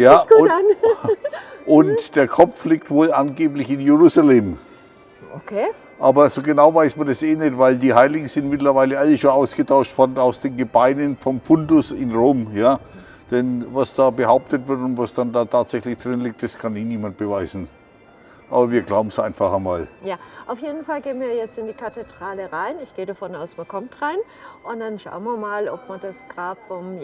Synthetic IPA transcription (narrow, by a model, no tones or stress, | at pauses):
jaː | ʔʊntd̥eːɐkʰɔp͡flik̚tvoːlʔanɡeːplɪçɪnjeʁuːzalɛm | okʰː | ʔaːbɐzoːɡənaʊvaɪsmɐdaseːnɛtvaɪldiːɦaɪlɪɡŋ̩z̥ɪntmɪtlɐvaɪləaləʃoːnaʊsɡ̥ətʰaʊʃtv̥ɔɐdn̩aʊsd̥eːnɡəbaɪnənfɔmfʊndʊsɪnʁoːmjaː | d̥ɛnvasd̥aːbəɦaʊp̚tətv̥ɪɐtʊntv̥asd̥andaːtʰaːtz̥ɛçlɪçd̥ʁɪnlɪk̚td̥askʰanɪçniːmant̚b̥əvaɪzn̩ | ʔʔa̰ːbɐviːɐɡlaʊbm̩sʔãɪnfaχamaːljaːʔaʊfjeːdn̩falɡeːənviːɐjɛt͡stɪndiːkʰated̥ʁaːləʁaɪnɪçɡ̥eːədafɔnaʊsmankʰɔmtʁaɪn | ʔʊnd̥anʃa̰ʊənviɐmaːlɔp̚maɐndasɡ̥ʁaːpfɔm